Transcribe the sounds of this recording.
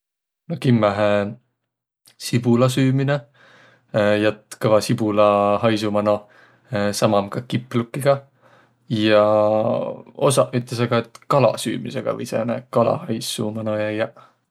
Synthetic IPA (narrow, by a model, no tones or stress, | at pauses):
nokimːæɦe | sib̥ulɑs̬yːmine | jɑt̪kɤvɑsib̥ulɑhɑjsumɑno | sɑmɑmkɑkipːˑlukːiɡ̥ɑ | jɑ | o̰sɑyt̪ˑles̬ɑɡ̥ɑet̪kɑlɑ̰sy̰ːmise̞ɡ̥ɑ̰vɤ̰jsenækɑlɑ̰hɑjsṵmɑnojæjɑ